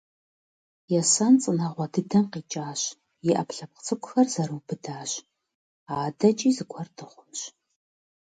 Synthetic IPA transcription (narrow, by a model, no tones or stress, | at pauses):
jɛsɐnt͡sʼɨnɐʁʷɐdʰɨdɐmqiːt͡ʃʼaːɕ | jɛʔɐpɬɐp̚qt͡sʰʼɨkʷʊxɐrz̥ɐɾɨwbɨdaːɕ | aːdɐt͡ʃʼiːzɨkʷʰɔrdʰɨχʷʊmɕ